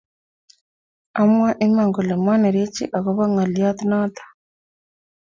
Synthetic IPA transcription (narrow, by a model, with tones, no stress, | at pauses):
a˦mwa˦ʔe˦ma˨ŋɡo˨le˨mwa˦ne˨ɾe˦t͡ʃḭ˦ʔa˨ɣo˦βa˦ŋa˨lja˦t̪i˦na˦t̪ḁ